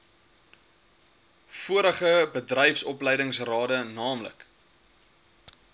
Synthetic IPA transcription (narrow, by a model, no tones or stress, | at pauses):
fuəɾəχəbədrɛjfsɔplɛjdəŋsrɑːdənɑːmlə̰k